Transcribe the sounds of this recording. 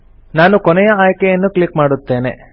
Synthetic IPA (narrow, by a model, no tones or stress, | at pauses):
naːnukɔnɛjɐaːjkɛjɐnːukɭikmaːɽut̪ːe̞ːne̞̰